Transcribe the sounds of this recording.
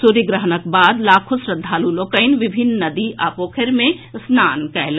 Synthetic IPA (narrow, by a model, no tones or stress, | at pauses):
suɾiɡɾəɦənək̚baːd̪laːkʰosɾəd̪ʱːaːlulokəɪnʋibʱinːəd̪iʔapokʰeɾmẽsnankɛl